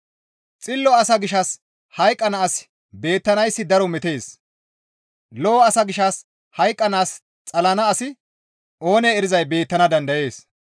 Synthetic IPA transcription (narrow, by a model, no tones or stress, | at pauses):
t͡sʼɪlːɔɐsɐɡɪʃɐs | hɐjkʼːɐnɐːs | be̞ːt̪ːɐnɐjsːɪd̪ɐɾɔmɛt̪e̞ːs | lɔːɐsɐɡɪʃɐs | hɐjkʼːɐnaːs | t͡sʼɐlɐnɐːsɪ | ʔo̞ːneːɾɪzɐjbe̞ːt̪ːɐnɐd̪ɐnd̪ɐje̞ːs